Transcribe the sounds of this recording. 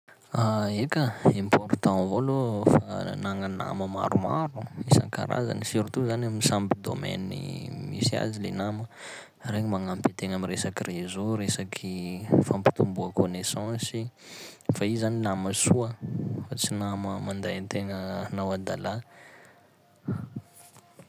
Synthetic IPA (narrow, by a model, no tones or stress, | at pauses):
aekəẽmport̪ãvolofanaŋana̰məma̰ɾuma̰ɾuisa̰ŋka̰ɾa̰za̰nisiɾit̪uzanamisambid̪o̰mɛ̰nḭmḭsia̰zilenamə | reŋimaŋampet̪eŋamiresakirezoɾesakʰifampi̥t̪umbuəkonesɑ̃si | faizaninaməsuəfat͡sinaməmand̪ãt̪eŋənawad̪ala